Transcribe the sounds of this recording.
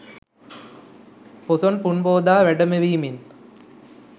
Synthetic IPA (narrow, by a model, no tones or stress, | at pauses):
pɔsɔnpuɳboːd̪aːʋɛɖɐmeʋiːmin